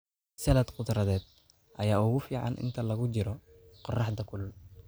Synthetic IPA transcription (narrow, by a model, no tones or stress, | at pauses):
sɐlɐd̪qʊd̪ɾɐðɛːd̪̥̚ | ʔɐjaːuːɣʊfiːʕɑ̰nʔɪ̰nt̪ʰɐlɐɣʊt͡ʃɪɾɔ | qɔrɑħd̪ɐkʰʊl